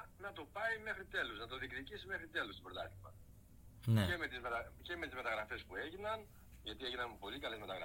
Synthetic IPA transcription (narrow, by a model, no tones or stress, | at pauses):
nɐt̪o̞pɐime̞xɾit̪e̞luznɐt̪o̞ðikðicisime̞xɾit̪e̞lust̪ibɾot̪ɐ̰t̪i̥pɐ̰ | nemet̪izmet̪ɐce̞me̞t̪izme̞t̪ɐɣɾɐfe̞spue̞ʝinɐn | ʝɐt̪ie̞ʝinɐmpo̞likɐle̞zme̞t̪ɐɣɾɐ̰